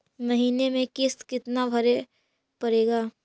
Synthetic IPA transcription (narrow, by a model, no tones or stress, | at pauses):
mɐɦiːnemẽkɪst̪kɪt̪nabʱɐɾe | pɐɾeːɡaː